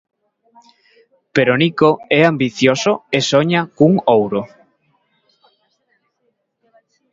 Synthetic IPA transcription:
peɾonikoɛambiθjosoesoɲakuŋowɾo

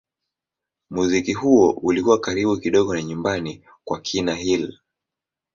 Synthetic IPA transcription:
muzikihuɔulikuwakaɾiɓukiɗɔɠɔnaɲumbani | kwakʰinaɦil

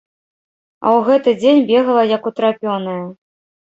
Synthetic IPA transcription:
ɐ̰wɣɛt̪ɨd͡zʲenʲbʲeɣɐlˠɐjɐkut̪ɾapʲɔnɐjɐ

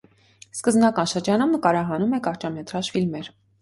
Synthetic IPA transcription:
skəzbnɑkɑnʃəɾd͡ʒɑnumnəkɑɾɑɦɑnumɛkɑɾt͡ʃɑmɛt̪ɾɑʃfilmɛɾ

